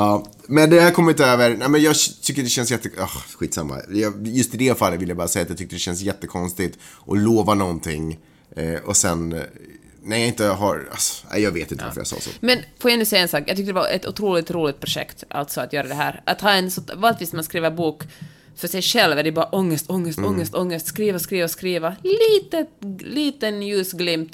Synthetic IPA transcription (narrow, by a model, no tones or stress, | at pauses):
ɑː | mɛnd̪ɛhæɾkʰɔmːɪnt̪øːvəɾnɛmɛnjɑt̪ʰʏkːəd̪ɛɕɛnsjɛt̪ːəɑhɧiːt̪sa̰mːa̰jɑjɵst̪ɪd̪ɛfalːət̪vɪljabɑːɾasɛjat̪jɑt̪ʏk̚t̪əɖdɛɕɛnsjɛt̪ːəkʰɔnst̪ɪt̪ʔɔloːvanɔnt̪ʰɪŋː | ɔsɛn | næɾjɑɪnt̪əɦaɾa̰sæ̰jɑːɡveːt̪ɪnt̪əva̰fəja̰sɑ̰ːso̰mɛnfoːjaɛnʉsɛjaɛnsɑːkjɑɡt̪ʏkt̪ədɛaʔɛ̰t̪ʊ̰t̪ʰɾuːlɪt̪ɾuːlɪɡt̪̚pʰɾʊʂɛ̰kt̪ʔa̰lt̪sɔat̪jœːɾad̪ɛɦæ̰ːɾʔa̰t̪hɑːɛnsɔvɑːlɪt̪viːsmanskɾiːvəɾbuːk | fœʂɛjʂɛlvæd̪ɛbɑːɾaʔɔŋːəst̪ʰɔŋːəst̪ɔŋːəst̪ɔŋːəst̪skɾiːvaskɾiːvaskɾiːvaliːt̪ət̪liːt̪ənjʉːsɡlɪmt̪